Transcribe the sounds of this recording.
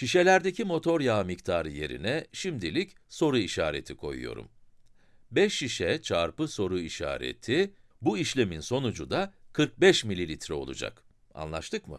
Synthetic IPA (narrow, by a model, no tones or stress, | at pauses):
ʃiʃe̞lʲæɾd̪e̞cimo̞t̪ʰo̞ɾjaːmict̪ʰaːɾɯje̞̰ɾḭnɛʃimd̪ilʲicso̞ɾuiʃaːɾe̞̰t̪ʰikʰo̞̰jṵjo̞̰ɾṵm | bɛʃːiʃɛt͡ʃʰaɾpɯso̞ɾuiʃa̰ːɾḛt̪ʰi | buiʃlʲe̞minso̞nud͡ʒud̪akʰɯɾk̚bɛʃmilʲilʲit̪ɾɛo̞lˠṵd͡ʒa̰k | a̰nlˠa̰ʃt̪ʰɯkmɯ̰